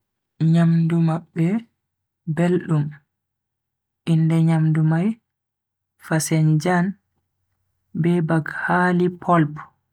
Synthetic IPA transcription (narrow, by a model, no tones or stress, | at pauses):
ɲamdumaɓːɛ | belɗum | ʔindɛɲamdumaj | fasɛnd͡ʒan | bɛbaɡhaːlipʰɔlp